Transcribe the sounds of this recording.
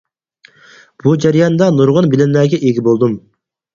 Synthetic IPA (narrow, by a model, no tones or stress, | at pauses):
b̥ud͡ʒæɾijɑnd̪ɑnuɾʁʊnbɪlɪnlæɾɡʲɛʔeɡʲibolˠd̪um